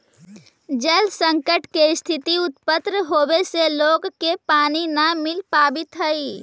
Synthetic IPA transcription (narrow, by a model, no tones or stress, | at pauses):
d͡ʒəlsə̃ŋkəʈkeɪst̪ʰɪt̪iʊt̪pət̪ɾəɦoːweseloːɡkepaːninamɪlpaːbɪt̪ɦəi